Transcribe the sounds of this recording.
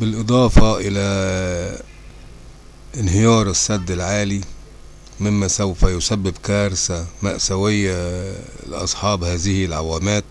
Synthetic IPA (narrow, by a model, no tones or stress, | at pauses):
bɪlʔɨd̪ˤɑːfɑʔɪlæ | ʔɪnɦɪjɑːɾˤɪsːæd̪ːɪlʕaːli | mɪmːæsawfæjʊsæbːɪbkæːɾsæma̰ʔsæwɪjːæ | l̰ʔɑ̰sˤħɑːbhæːzɪhlʕawæːmæːt̪̚